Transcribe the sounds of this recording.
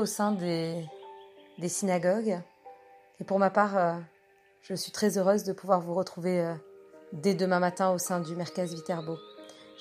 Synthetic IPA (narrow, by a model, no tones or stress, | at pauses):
osɛ̃d̪e | d̪esinaɡɔɡ | epuʁmapaʁø | ʒ̥əsɥit̪χɛzøʁøzd̪əpuvwaʁvuʁət̪χuveød̪ed̪əmɛ̃mat̪ɛ̃osɛ̃d̪ymɛʁkʲazvit̪ɛʁboʒ